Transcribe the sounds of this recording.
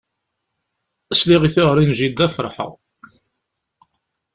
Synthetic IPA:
əsliʁiθɪʁəɾˤinʒid̪ːæfəɾˤħə̰ʁ

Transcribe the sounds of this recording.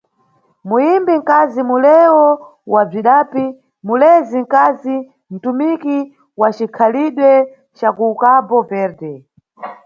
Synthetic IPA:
mujimbiŋ̩kazimulɛwɔ | wab͡ʐiɗaːpi | mulɛziŋ̩kazi | n̩tumiki | wat͡ʃikʰaliɗwɛ | t͡ʃakuːkapɔpɛɾtɛ

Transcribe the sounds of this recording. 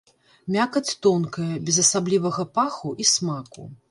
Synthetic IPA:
mʲakɐt͡sʲt̪ɔnkɐjɐbʲɛzɐsablʲivɐɣɐpaxuʔismakṵ

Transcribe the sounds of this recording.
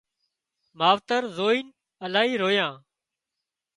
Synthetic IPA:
maːʋt̪əɾzoːiːn | əlaːɦiːɾoːjãː

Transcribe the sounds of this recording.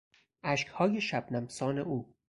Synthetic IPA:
ʔæʃkhɒːjeʃæb̥̚næmsɒːneuː

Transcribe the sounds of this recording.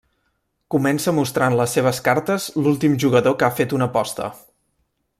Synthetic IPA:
kumɛnsəmust̪ɾanləsːeβ̞əskaɾt̪əzlulˠt̪imʒuɣ̞əðokafet̪unəpɔst̪ə̰

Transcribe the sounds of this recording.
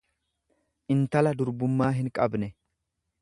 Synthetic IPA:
ʔɪnt̪ɐlɐd̪ʊɾbʊmːaːɦɪŋkʼɐbnɛ

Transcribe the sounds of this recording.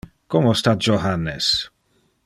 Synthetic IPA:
kɔmost̪at̪̚d͡ʒoɦanːes

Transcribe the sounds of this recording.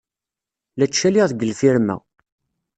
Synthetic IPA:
læt͡ʃːæliʁθɡəlfiɾmæ̰

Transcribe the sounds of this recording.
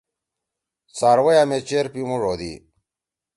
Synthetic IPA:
saːɾwɐjamet͡ɕeɾpimuʐod̪ḭ

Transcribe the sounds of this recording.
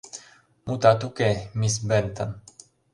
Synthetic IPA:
mut̪at̪ukemisbent̪ən

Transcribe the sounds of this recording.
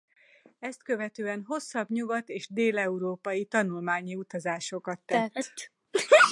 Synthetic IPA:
ɛst̪kø̞vɛt̪øːɛnɦo̞sːɒbɲuɡɒt̪eːʃd̪eːlɛuɾoːpɒjit̪ɒnulmaːɲiut̪ɒzaːʃo̞kɒt̪ːɛt̪

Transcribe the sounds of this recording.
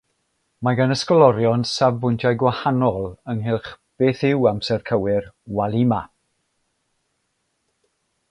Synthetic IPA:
maɡanəskɔlˠɔɾjɔnsavbʊjntʰjajɡwahanɔlˠəŋɦɪlˠχ | b̥eːθɪwamsɛrkʰəwɪrwalˠima

